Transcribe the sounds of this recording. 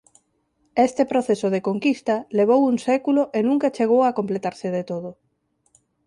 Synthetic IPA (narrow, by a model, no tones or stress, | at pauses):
est̪epɾoθesoðekoŋkist̪ɐleβ̞owuŋsɛkuloʔenũŋkat͡ʃeɣ̞owakomplet̪aɾsɪðet̪oðʊ